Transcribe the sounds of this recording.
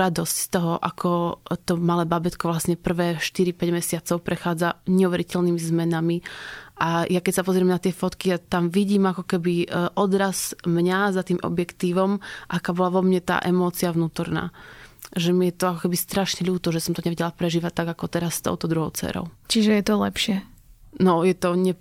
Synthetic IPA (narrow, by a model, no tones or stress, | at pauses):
ɾad̪ɔscst̪ɔɦɔʔakʰɔt̪ɔmalɛːbabɛt̪kɔʋlasɲɛpr̩ʋɛːʃt̪iɾipɛɟmɛsɪat͡sɔʊpɾɛxaːd͡zaɲɛuʋɛɾicɛʎnimizmɛnamiʔajakɛcsapɔzɾɪɛmnat̪ɪɛfɔt̪kiat̪amʋiɟiːmakɔkɛbiʔɔd̪ɾaz̥mɲazat̪iːmʔɔ̰bjɛkt̪iːʋɔmʔakaːbɔlaʋɔmɲɛt̪a̰ːʔɛmɔːt͡siaʋnuːt̪ɔɾna̰ː | ʒɛmijɛt̪ɔakɔkɛbist̪ɾaʃɲɛʎuːt̪ɔʒɛsɔmt̪ɔɲɛʋɛɟɛlapɾɛʒiːʋat̪aɡakɔt̪ɛɾast̪ɔ̰ʊt̪ɔd̪ɾuɦɔʊt͡sɛ̰ːɾɔ̰ʊt͡ʃiʒɛjɛt̪ɔlɛ̰pʃɪɛnɔjɛt̪ɔɲɛ